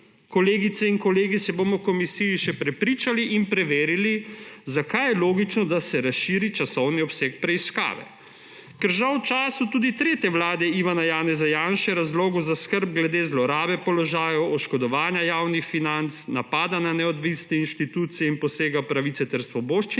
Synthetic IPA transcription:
kɔleːɡit̪sɛinkɔleːɡisɛboːmɔkɔmisijiʃɛpɾɛpɾiːt͡ʃaliʔinpɾɛʋeːɾilizakajɛloːɡit͡ʃnɔd̪asɛɾasʃiːɾit͡ʃasɔwniɔpsɛkpɾɛiska̰ːʋɛ̰ | kɛɾʒawt͡ʃaːsut̪uːd̪it̪ɾeːt̪jɛʋlaːd̪ɛiʋanajaːnɛzajaːnʃɛɾazloːɡuzaskəɾb̚ɡlɛd̪eːzlɔɾaːbɛpɔlɔʒaːjɔwɔʃkɔd̪ɔʋaːnjajaːwnixfinant̪snapaːd̪ananɛɔd̪ʋisnɛinʃt̪it̪uːt̪sijɛinpɔseːɡapɾaʋit̪sɛt̪ɛɾsʋɔboːʃt͡ʃi

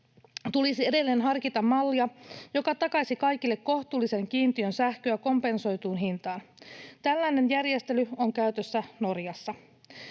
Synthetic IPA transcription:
t̪ulisie̞de̞lːeːnɦɑrkit̪ɑmːɑlːiɑjo̞kɑt̪ɑkɑsikɑjkilːekko̞ht̪uːlːise̞ŋk̟iːnt̪iø̞nsæhkøæko̞mpe̞nso̞jt̪uːnɦint̪ɑːnt̪ælːæjne̞njærjest̪e̞lyoŋkæyt̪øsːæno̞rjɑsːɑ

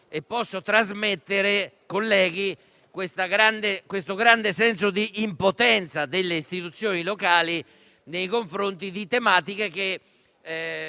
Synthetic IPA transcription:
epːɔsːot̪ɾazmet̪ːeɾekolːɛːɡi | kwest̪aɡɾand̪ekwest̪oɡɾand̪esɛns̬od̪iːmpot̪ɛnt̪sad̪elːeist̪it̪ut̪sːjoːnilɔkaːli | nejkoɱfɾont̪id̪it̪emaːt̪ikek̟e

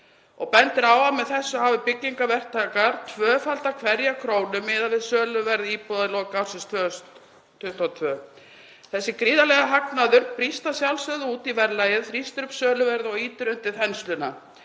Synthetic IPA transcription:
ɔ̰ɣpɛnt̪ɪɾaːwamɛðθɛsːɔhavɪpɪcːiŋkavɛr̥t̪ʰaːkaɾ̥t̪ʰvœːfalt̪akʰvɛɾjakʰɾoːwnʏmɪðavɪðsœːlʏvɛɾðiːpɔðaðɪlɔkawɾsɪst̪ʰvœs | t̪ʰʏt̪ʰat̪ʰvœː | θɛsːɪkɾiːðalɛɣaɦaknaðʏɾpɾist̪asjawlsœðɪuːt̪ivɛɾlajɪðθɾist̪ʏɾʏpsœːlʏvɛɾðɔɣiːt̪ɪɾʏnt̪ɪɾhɛnst̪lʏna

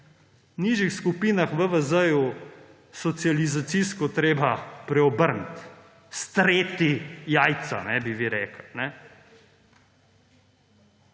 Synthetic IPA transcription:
niʒixskupiːnaxʋəʋəzəju | sɔt̪sijalizat̪siskɔt̪ɾeːbapɾɛɔbəɾnt̪ | st̪ɾeːt̪ijaːjt̪sa̰nɛbiʋiɾɛːkəlnɛ

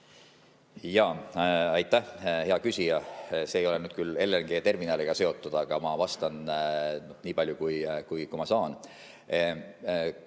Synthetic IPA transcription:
jɑːɑjt̪ˑːæhhe̞ɑkysʲijɑse̞ːjo̞le̞nyːd̪̥̚kyle̞lːenɡ̥e̞ːt̪e̞rminɑleɡ̥ɑse̞o̞t̪ːˑud̪̥ɑɡ̥ɑmɑvɑst̪ɑnnohniːpɑlʲjukujkujkumɑsɑːn

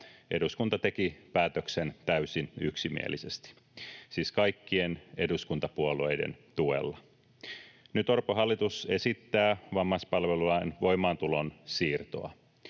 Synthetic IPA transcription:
ʔe̞duskunt̪ɑt̪e̞kipæːt̪øksent̪æysinyksimḭḛlisest̪i̥ | siːskɑjkːiene̞duskunt̪ɑpuoluejdḛnt̪uḛlːɑ | nyt̪orpoɦɑlːit̪use̞sit̪ːæːʋɑmːɑspɑlʋelulɑinʋo̞jmɑːnt̪ulonsiːrt̪o̰ɑ̰

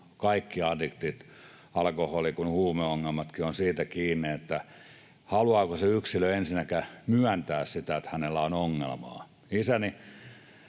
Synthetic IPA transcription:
kɑikːiɑdikt̪it̪ | ɑlkoholikunhuːmeoŋːelmɑt̪kionsiːt̪ækiːnːiet̪ːæ | hɑluɑːkoseyksiløensinækæmyænt̪æːssit̪æet̪hænelːæonoŋːḛlmɑ̰ː | isæni

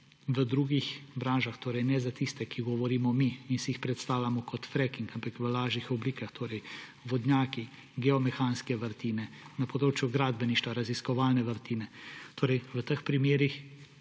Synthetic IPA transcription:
ʋəd̪ɾuːɡixbɾaːnʒaxt̪oːɾɛjnɛzat̪ist̪ɛkiɡɔʋɔɾiːmɔmiːnsɛixpɾɛt̪st̪aːwlʲamɔkʰɔt̪fɾɛkiŋkampakʋəlaːʒixɔbliːkaxt̪ʰoːɾɛjʋɔd̪njaːki | ɡɛɔmɛxaːnskɛʋəɾt̪iːnɛnɐpɔd̪ɾoːt͡ʃjuɡɾaːd̪̚bɛniʃt̪ʋaɾaziskɔʋaːlnɛʋəɾt̪iːnɛt̪oːɾɛjʋət̪əxpɾimeːɾix

